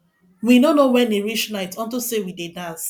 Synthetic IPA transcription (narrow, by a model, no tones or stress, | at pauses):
winonowɛneɹiʃnaɪtɔ̃ntosewidedãns